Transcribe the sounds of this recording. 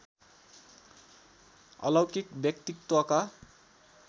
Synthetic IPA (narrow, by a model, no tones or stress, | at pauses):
ʌ̰lʌwkik̚bjʌkt̪ikt̪wʌka